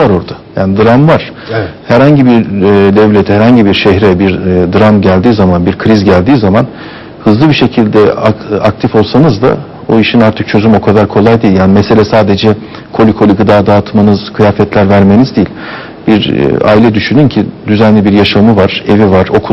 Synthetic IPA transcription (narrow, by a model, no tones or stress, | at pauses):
aɾo̞ɾd̪ajaːnid̪ɯɾamvaɾ̥ | hæɾhaɲɟibiɾd̪ɛvlʲet̪ʰæɾhaɲɟibiɾʃɛɦɾɛbiɾd̪ɯɾamɟælʲd̪iːzamanbiɾkʰɯɾizɟælʲd̪iːzaman | hɯzlˠɯbiɾʃe̞cʰilʲd̪ɛaak̚t̪ʰifo̞lˠsanɯzd̪a̰ | boiʃinaɾt̪ʰɯk̚t͡ʃʰø̞zymo̞kʰad̪aɾkʰo̞lˠajd̪iːilʲjaːnimɛse̞lʲɛsaːd̪e̞d͡ʒɛ | kʰo̞lʲikʰo̞lʲiɡɯd̪aːd̪aːt̪ʰmanɯz̥kʰɯjaːfɛt̪ʰlʲæɾvæɾme̞nizd̪ijilʲ | biɾ̰a̰ːilʲɛd̪yʃynyncʰid̪yzænlʲibiɾjaʃamɯvaɾ̥e̞vivaɾo̞kʰu